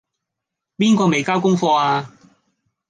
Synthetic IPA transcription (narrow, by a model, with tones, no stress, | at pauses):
piː˥nkɔː˧me˨jkaː˥wkʊ˥ŋfɔː˧aː˧